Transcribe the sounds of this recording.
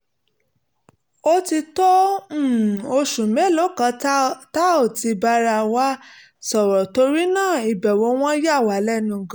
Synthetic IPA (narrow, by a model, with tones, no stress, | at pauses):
o˦ti˧tɔ̃˦˨ | o˧ʃũ˨mɛ̃˨˦lo˨˦kã˧ta˦o˦˨ti˧ba˧ɾa˧wa˦ | sɔ˨ɾɔ˨to˧ɾi˦nãː˦˨i˨bɛ˨wo˨˦w̃ɔ̃˦ja˦˨wa˨˦lɛ˦nũ˦˨ɡã˦